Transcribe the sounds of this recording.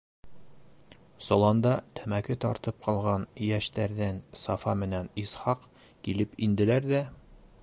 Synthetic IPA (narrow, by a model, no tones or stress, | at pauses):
sŏlˠɑnd̪ɑt̪ʰɵmækɘt̪ɒɾt̪ɤp̚qɒlˠʁɑnjæʃt̪æɾd̪ænsɒfɑmɘ̆nænisχɑq | kilɘpind̪ɘ̆læɾd̪æ